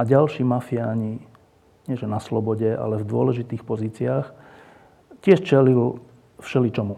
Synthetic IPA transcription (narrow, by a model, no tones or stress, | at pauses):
aɟalʃiːmafiaːɲi | ɲɪɛʒɛnaslɔbɔɟɛa̰lɛvd̪ʊɔlɛʒit̪iːxpɔziːt͡sɪaːx | cɪɛʃt͡ʃɛlil | fʃɛlit͡ʃɔmu